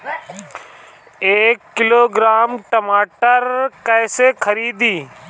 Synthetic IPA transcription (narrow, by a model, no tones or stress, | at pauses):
eːkːɪloːɡɾaːmʈəmaːʈəɾkɛːsekʰəɾiːd̪iː